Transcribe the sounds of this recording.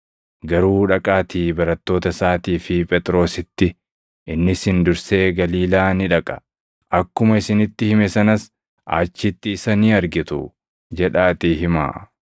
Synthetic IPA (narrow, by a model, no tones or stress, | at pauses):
ɡɐɾuːᶑɐkʼaːt̪iːbɐɾɐt̪ːo̞ːt̪ɐsaːt̪iːfɪpʼɛt̪ʼɾo̞ːsɪt̪ːɪ | ʔɪnːɪshɪnd̪ʊɾse̞ːɡɐliːlaːnɪᶑɐkʼɐ̥ | ʔɐkːʊmɐɪsɪnɪt̪ːɪhɪmɛsɐnɐs | ʔa̰ːt͡ʃːɪt̪ːɪːsɐniːɐɾɡɪt̪ʊ̰ | d͡ʒɛᶑaːt̪ɪɦɪma̰ː